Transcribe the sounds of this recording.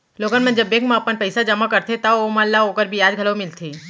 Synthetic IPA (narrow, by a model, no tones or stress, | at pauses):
loːɡənmẽd͡ʒɐbːeːkmẽɐpənpɛɪsad͡ʒɐmakɐɾt̪ʰet̪aomɐlːaɦoːkəɾbʱiaːd͡ʒɡʱɐlomɪlt̪ʰiː